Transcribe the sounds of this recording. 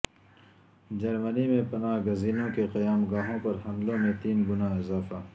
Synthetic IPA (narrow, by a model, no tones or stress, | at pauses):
d͡ʒɐɾmənimẽpɐnaːɦɡɐziːnõkeqɐjaːmɡaːɦõpɐɾɦɐ̃nd̪lõmẽt̪iːnɡʊnaːɪzaːfaː